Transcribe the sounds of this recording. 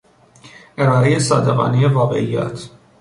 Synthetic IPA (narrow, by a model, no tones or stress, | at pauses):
ʔeɾɑːɾejesɒːd̪eɣɑ̰ːnijevɒːɣḛʔijæ̰t̪ʰ